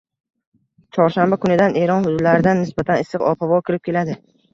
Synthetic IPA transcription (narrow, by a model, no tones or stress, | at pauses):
t͡ʃʰɒɾʃambakʰʊnɪd̪aneɾɒnhʊd̪ʊd̪laɾɪd̪anːɪsbat̪ʰanɪsɨqɒ̰pʰavɒkʲʰɪɾɪp̚kʲʰe̞lad̪ɪ